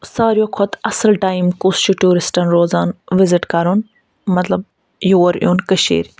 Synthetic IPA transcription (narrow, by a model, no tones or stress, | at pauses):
saːɾjokʰɔt̪ɐsəlʈaːimkust͡ʃuʈuːɾɪsʈɐnɾoːzaːnʋɪzɪʈkɐɾun | mɐt̪lɐb̚ | joːɾjuːnkəʃḭːɾ